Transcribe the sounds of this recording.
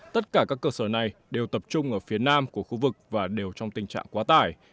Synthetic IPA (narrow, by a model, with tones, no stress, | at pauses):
t̪ə˦˥t̚kaː˧˩kaː˦˥kːəː˧səː˧˩na˨˩jɗe˨˩wt̪ə˨˩p̚t͡ɕʊ˧ŋ͡mʔəː˧˩fi˨˦ənaː˧mku˧˩əxu˧vɨ˨˩k̚vaː˨˩ɗe˨˩wt͡ɕɔ˧wŋ͡mt̪ï˨˩ŋ̟t͡ɕa̰ː˧˨ŋkwaː˨˦t̪aː˧˩j